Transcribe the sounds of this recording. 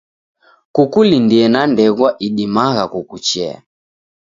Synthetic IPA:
kukulindiɛnandɛɣwaʔiɗimaɣakukut͡ʃɛa̰

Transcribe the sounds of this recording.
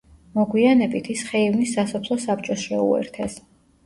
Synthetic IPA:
mɔɡwianɛbit̪ʰisχɛivnisːasɔpʰlˠɔsap̚t͡ʃʼɔsɾɛṵɛ̰ɾt̪ʰɛs

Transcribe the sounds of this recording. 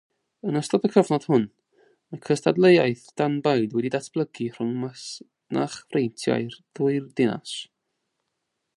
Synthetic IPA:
ənəstɔdəkʰəvnɔd̥hʊn | əkʰəstʰadlˠejaɨθd̥anbaɨdwɛdidatʰb̥lˠəɡir̥ʊŋmas | na̰χvrejntʰja̰ɨrðuɨrdɪna̰s

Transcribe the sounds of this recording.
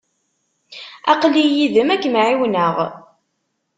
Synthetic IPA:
ɑ̰qlijiðəmækːmʕiwnəʁ

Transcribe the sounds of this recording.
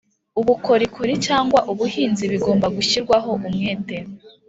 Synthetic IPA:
uβuko̞ɾikʰuɾit͡ʃaːŋɡwaʔuβuhiːnziβiɡo̞ːmbaɡuçiɾɡwaɦo̞ʔumŋeːte̞ɾo

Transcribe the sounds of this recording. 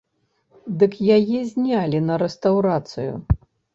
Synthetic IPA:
d̪ɨkjajɛzʲnʲalʲinɐɾɛst̪ɐwɾat̪sɨjṵ

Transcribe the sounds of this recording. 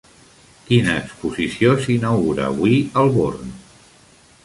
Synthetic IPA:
kinəːkspuzisiosinawɣuɾa̰ːβwiəlˠβorn

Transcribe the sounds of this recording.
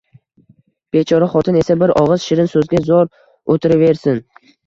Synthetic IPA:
b̥et͡ʃʰɒɾaχɒt̪ʰɪne̞sabɪɾɒʁɨz̥ʃɪɾɪnsɵzɡʲazɒɾ | ot̪ʰɪɾave̞ɾsɪn

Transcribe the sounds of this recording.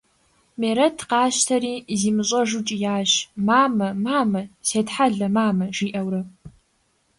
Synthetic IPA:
meːɾɐtʰqɑːɕtʰɐɾiːziːmɨɕʼɐʐut͡ʃʼijaːɕmaːmɐmaːmɐseːtħaɮɐmaːmɐʒiːʔɐwɾɨ

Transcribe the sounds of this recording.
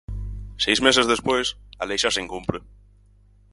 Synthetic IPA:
sejzmesezðespojsalejʃaseŋkumpɾe

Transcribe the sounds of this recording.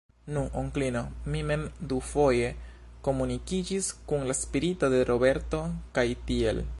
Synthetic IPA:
nuʔoŋklino̞mime̞md̪ufo̞je̞ | ko̞munikid͡ʒiskunlaspiɾito̞de̞ɾʔo̞be̞ɾto̞kajtie̞̰l

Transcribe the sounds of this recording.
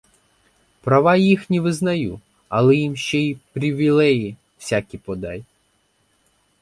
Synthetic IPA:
pɾɐʋɑjixnʲiʋɪznɐju | ɐlˠɛjimʃt͡ʃɛipɾʲiʋʲilˠɛji | w̥sʲakʲipɔd̪ɑj

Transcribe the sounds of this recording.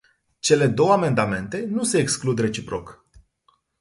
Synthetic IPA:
t͡ʃe̞le̞d̪o̞wəame̞nd̪ame̞nt̪e̞nuse̞ːksklud̪re̞t͡ʃipɾo̞̰k

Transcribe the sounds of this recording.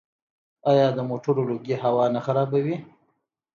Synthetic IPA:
ɑjɑd̪əmoʈʰoɾoloɡiɦawɑnaxaɾɑbawi

